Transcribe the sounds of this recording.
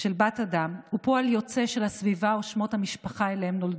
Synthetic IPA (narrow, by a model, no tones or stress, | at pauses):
ʃelbatadamhupoaljo̞t͡se̞ʃe̞lhasvivaoʃmo̞t̪hamiʃpaχaelehemno̞ld